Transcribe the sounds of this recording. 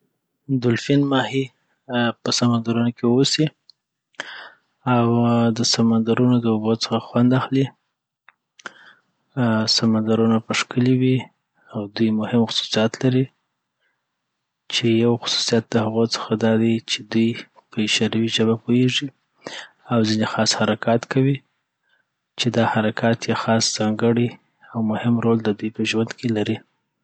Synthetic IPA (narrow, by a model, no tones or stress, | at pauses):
d̪ʊlfinmɑhi | pəsamand̪aɾunokewosi | awd̪əsamand̪aɾunod̪əʊbot͡sə̥xaxwand̪axli | samand̪aɾunapəʂkəliwi | awd̪ujmʊhɪmxʊ̥su̥sijɑt̪laɾi | t͡ʃejawxʊ̥su̥sijɑt̪̚ləhaɣot͡sə̥xad̪ɑd̪at͡ʃed̪uj | pəɪʃɑɾawiʒəbapoeʐi | awzinexɑshaɾakɑt̪kawi | t͡ʃed̪ɑhaɾakʰɑt̪jexɑsz̥ɑŋɡəɽi | awmʊhɪmɾold̪əd̪ujpəʒwand̪kʰelaɾi